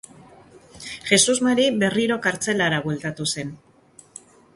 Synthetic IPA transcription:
xe̞suzmaɾiβe̞riɾo̞kaɾt͡se̞laɾaβwelt̪at̪use̞n

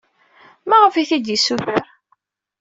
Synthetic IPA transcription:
mæʁəfiθid̪jisːuθəɾ

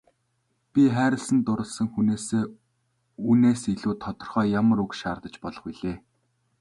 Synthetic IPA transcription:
pʲiχæːɾə̆ɮsə̆nt̪ʊɾə̆ɮsə̆ŋxuneːseː | uneːsiɮuːt̪ʰːɔt̪ɞ̆rχœːjamə̆ɾʊkʃaːrt̪ə̆t͡ɕpɔɮɞ̆χiɮeː

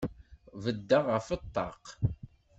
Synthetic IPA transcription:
vəd̪ːaʁəfət̪ˤːɑ̰q

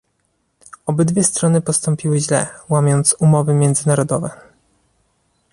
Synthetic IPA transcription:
ɔbɘd̪vʲjɛst̪ɾɔnɘpɔst̪ɔmpʲiwɘʑlɛ̰wamʲjɔnt̪sumɔvɘmʲjɛnd̪zɘnaɾɔd̪ɔvɛ

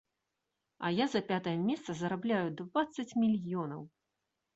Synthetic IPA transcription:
ɐ̰jazɐpʲat̪ɐjɐmʲɛst̪sɐzɐɾablʲajud̪vat̪sːɐt͡sʲmʲilʲjɔnɐw

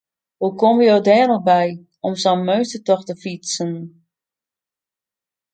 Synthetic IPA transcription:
hukoməjoːdɛːnɔbɛj | ɔmsɔnmøɥstətɔxtəfisən

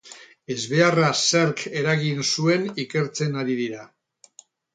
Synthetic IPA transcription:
e̞zβe̞araseɾke̞ɾaɣinsue̞nike̞ɾt͡se̞naɾiðiɾa

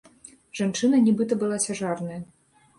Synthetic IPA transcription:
ʐant͡ʂɨnɐnʲɛbɨt̪ɐbɨlˠat͡sʲaʐarnɐjɐ

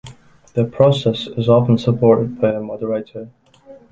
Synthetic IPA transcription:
ðəpʰɹ̥ɔsɛsɪzɔfə̃nsəpʰɔɹɾɪd̚baɪəmɔdəɹetʰə˞

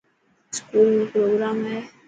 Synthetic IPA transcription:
skulpɾoɡɾamɦɛ

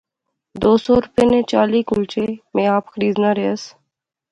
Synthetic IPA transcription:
d̪oːsoːɾʊpenẽːt͡ʃaːliːkʊlt͡ʃemẽːaːpxəɾiːznaɾeəs

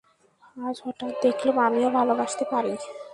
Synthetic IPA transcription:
ad͡ʑɦɔʈat̪̚d̪ekʰlomamiobʱalobaʃt̪epaɾi

